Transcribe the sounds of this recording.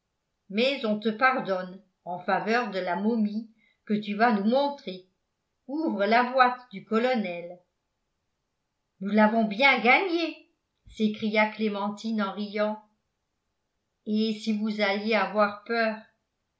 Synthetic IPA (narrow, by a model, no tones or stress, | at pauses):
mɛzɔ̃t̪əpaʁd̪ɔn | ɑ̃favœʁd̪əlamɔmi | kət̪yvanumɔ̃t̪χe | uvʁəlavwat̪d̪ykɔlɔnɛl | nulavɔ̃bjɛ̃ɡaɲe | sekχijaklemɑ̃t̪inɑ̃ʁijɑ̃ | esivuzaljeavwaʁpœːʁ